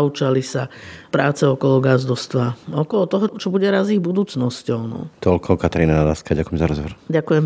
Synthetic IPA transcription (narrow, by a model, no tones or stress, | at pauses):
ut͡ʃalisapɾaːt͡sɛɔkɔlɔɡazd̪ɔst̪ʋaɔkɔlɔt̪ɔɦɔt͡ʃɔbuɟɛɾaziːɣbud̪uːt͡snɔscɔʊnɔ̰t̪ɔlkɔkat̪aɾiːnanad̪aːskaɟakujɛmzaɾɔzʋɔɾɟakujɛm